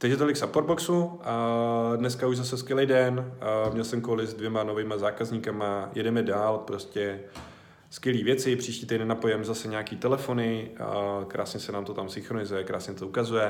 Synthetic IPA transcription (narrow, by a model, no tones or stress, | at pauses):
t̪aɡʒɛt̪olɪksapoɾboksu | dnɛskauʒzasɛskvjɛlɛjdɛnmɲɛlsɛmkolɪzdvjɛmano̞vɪːmazaːkazɲikamajɛdɛmɛdaːlpɾo̞scɛ | skvjɛliːvjɛt͡sɪpr̝̥iːʃciːt̪ɛjdnɛnapojɛmɛzasɛɲaːkiːt̪ɛlɛfo̞nɪ | kɾa̰ːsɲɛsɛnaːmt̪o̞t̪amsɪŋxɾonɪzujɛkɾa̰ːsɲɛt̪oukazujɛ